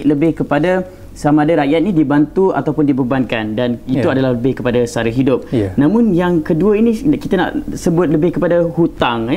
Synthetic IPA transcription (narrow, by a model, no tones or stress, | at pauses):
ləbɪhkəpada | samaːdaɾaʔjat̪̚inidibant̪ua̰t̪awpʊndibəbankandanit̪uadalahləbɪhkəpadasaɾaɦidʊp̚nãmʊ̃njaŋkəduəinikit̪ana̰ʔsəbʊt̪̚ləbɪhkəpadahut̪aŋ